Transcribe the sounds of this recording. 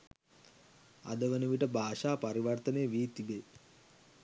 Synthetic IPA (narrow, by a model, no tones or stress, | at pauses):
a̰d̪əʋənəʋiʈəbʱaːʂaːpaɾiʋərt̪ənejəʋiːt̪ibe